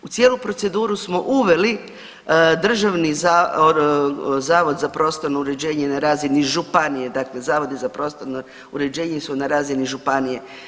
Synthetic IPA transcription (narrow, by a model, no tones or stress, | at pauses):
ut̪sjelupɾo̞t̪se̞d̪uːɾusmo̞ʔuʋe̞li | d̪r̩ʒaʋniza | zaːʋo̞d̪zapɾo̞ːst̪o̞ɾnouɾe̞d͡ʑe̞ːɲenaɾaːziniʒupanijed̪akle̞zaːʋo̞d̪izapɾo̞ːst̪oɾno | uɾe̞d͡ʑe̞ːɲisunaɾaːziniʒupanije̞